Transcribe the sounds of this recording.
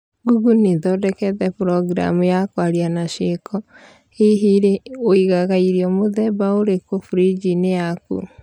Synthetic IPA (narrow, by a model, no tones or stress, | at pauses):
ɡuɡuniðɔdɛkɛðɛpuɾɔɡɾa̰mujakwaɾianaʃekʰɔ | eɦiɾeoiɣaɣaiɾiɔmoðɛbaoɾekofuɾid͡ʒinejakṵ